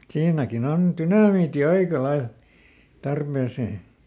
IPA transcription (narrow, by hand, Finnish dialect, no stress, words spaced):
siːnækin on tynɑmiːti ɑikɑ lɑil tɑrpeˑseː